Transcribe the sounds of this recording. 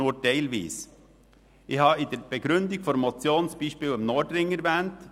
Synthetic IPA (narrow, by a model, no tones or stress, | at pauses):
uːətɛɪlvḭːs | ʔɪçhɑːɪd̥ɛɾb̥ɛɡɾʏnd̪ɪɡ̥fɔɾmɔt͡sjoːnsb̥iːʃpiːlɪmnɔdɾɪŋːəɾvɛːnt